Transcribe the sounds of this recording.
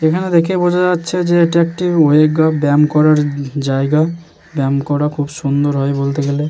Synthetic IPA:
ekʰaned̪ekʰebod͡ʑaatːʃʰed͡ʑeeʈiek̚ʈioeɡabɛmkɔɾaɾd͡ʑaeɡa | bɛmkɔɾakʰubʃund̪oɾɦɔebolt̪eɡele

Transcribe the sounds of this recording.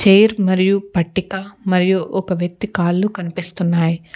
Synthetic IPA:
t͡ʃeːjɾmɐɾijupɐʈːikɐmɐɾijuʔɔkɐʋjɐk̚t̪ikaːlːukɐnipist̪unːaːji

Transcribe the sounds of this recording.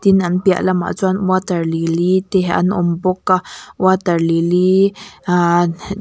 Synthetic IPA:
t̪inanpia̰ʔlama̰ʔt͡swanwat̪aɾlilit̪eɦa̰nombokːawat̪aɾlilia

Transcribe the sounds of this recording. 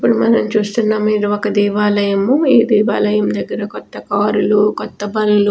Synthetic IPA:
ipːuɽumɐnɐmt͡ʃuːst̪unːaːmːiːɾuokɐd̪iːʋaːlɐjɐmuiːd̪iːʋaːlɐjɐmd̪ɐɡːɐɾɐkɔt̪ːɐkaːɾulukɔt̪ːɐbɐlulu

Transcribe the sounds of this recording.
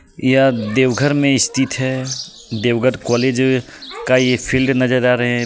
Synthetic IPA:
jad̪eːʋɡʱəɾmẽɪst̪ʰit̪ɦɛ | d̪eːʋɡʱəɾkɔːleːd͡ʒ | kajepʰilɖnɐd͡ʒəɾaːɾəɦɛ̃

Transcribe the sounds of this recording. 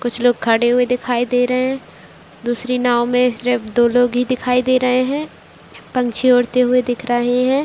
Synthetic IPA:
kʊt͡ʃʰloːɡ̚kʰɐɽeɦʊed̪ɪkʰaːid̪eːɾɐɦeɦɛ̃ | d̪uːsɾinaːõmẽsɾɪfd̪oːloːɡɦid̪ɪkʰaːid̪eːɾɐɦeɦɛ̃ː | pɐ̃ŋt͡ʃʰioːɽt̪eɦʊed̪ɪkʰɾəɦeɦɛ̃ː

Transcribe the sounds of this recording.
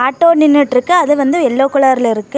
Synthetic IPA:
aːʈːoːnɪnːɯʈɪɾɯkːɯɐðɯʋɐnd̪ɯɛlːoːkːʊɭaːɾɪlɪɾɯkːɯ

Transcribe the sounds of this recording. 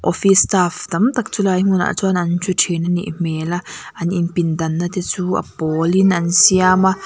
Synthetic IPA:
ʔɔfistaːfd̪ɐmt̪ak̚t͡sulaːjm̥una̰ʔt͡suanɐnt͡ʃʰutʰinanḭʔm̥ɛːlaʔɐninpindɐnːat̪it͡suːʔɐ̰pɔlinʔɐnsiama

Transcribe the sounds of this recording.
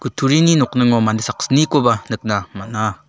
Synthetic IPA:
kutʰuɾininɔk̚nɯŋomanisak̚snikobanɯk̚namana

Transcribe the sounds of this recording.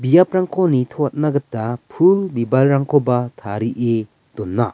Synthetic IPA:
bijap̚ɾaŋkʰonitʰot̚naɡɐtːapʰulbibalɾaŋkʰobatʰaɾiʔe | d̥onːa

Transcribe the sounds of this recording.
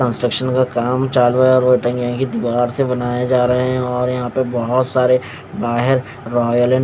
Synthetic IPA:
ə̃nsʈɾəkʃənkakaːmt͡ʃaːlʋaɔːɾoːʈə̃ŋɡjãkid̪iʋaːɾsebɐnaːjed͡ʒaːɾɐɦeɦɛ̃ɔːɾjɐɦãpəbɐɦʊt̪saːɾe | baːɦɪɾ | ɾɔːjəlɛ̃

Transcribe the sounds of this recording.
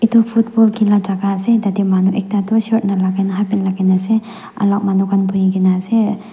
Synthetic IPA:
itʰupʰut̚bɔlɡilad͡ʒaɡasedadimanuʔek̚tatuset̚nalaɡanaɦapinlaɡanase | a̰lɔk̚manuɡanbujiɡinase

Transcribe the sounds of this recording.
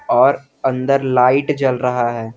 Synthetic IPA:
ɔːɾ | ɐ̃nd̪əɾlaːɪʈd͡ʒɐlɾɐɦaɦɛː

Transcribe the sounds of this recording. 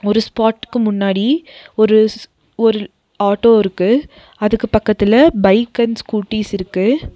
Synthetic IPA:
ɔɾɯspaːʈːɯ̥kːɯmʊnːaːɽiɔɾɯ | ɔɾɯ | aːʈːoːɪɾɯkːɯ | ɐðɯkːɯpɐkːɐt̪ːɪlɐbɐɪkːɐnskuːʈːiːsɪɾɯkːɯ

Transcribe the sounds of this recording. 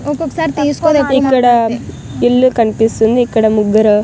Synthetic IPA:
okeksaɾt̪iskod̪eikɐɽɐ | ilːukɐɳpisund̪uiːkɐɽɐmuɡɐɾɐ

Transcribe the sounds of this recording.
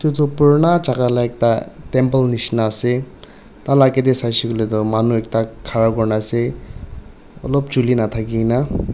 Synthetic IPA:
t̪ut̪ɔpuɹnat͡ʃakalaek̚ʈatempəlnisnaːse | t̪alaked̪esajsikɔlet̪ɔmanuek̚takʰaɹapkɔɹnase | ɔ̰lɔp̚t͡ʃulinat̪ʰakina

